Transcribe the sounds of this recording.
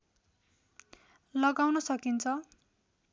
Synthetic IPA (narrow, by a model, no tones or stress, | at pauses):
lʌɡawnʌsʌkint͡sʰʌ